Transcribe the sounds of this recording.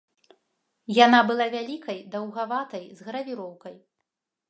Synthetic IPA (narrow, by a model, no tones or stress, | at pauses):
janabɨlˠavʲalʲikɐjd̪ɐwɣavat̪ɐjzɣɐɾɐvʲiɾɔwkɐj